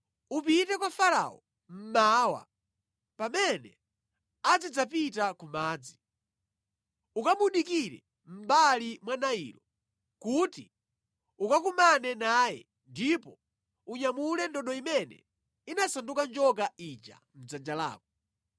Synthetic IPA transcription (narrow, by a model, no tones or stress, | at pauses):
upitɛkwafaɾa̰ɔ̰ | m̩maːwa̰ | pamɛnɛ̰ | ad͡zid͡zapitakumaːd͡zi | ukamuɗikiɾɛ̰ | m̩balimwanaḭlɔ | kuti | ukakumanɛnaːjɛ̰ | ndipɔ | uɲamulɛndɔɗɔimɛnɛ̰ | inasandukand͡ʒɔk̬ait͡ʃa̰ | m̩d͡zad͡ʒala̰ːk̚ɔ